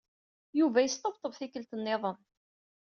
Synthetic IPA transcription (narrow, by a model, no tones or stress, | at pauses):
juvæjəst̪ˤɑbt̪ˤəvθikəlt̪ənːɪðˤəm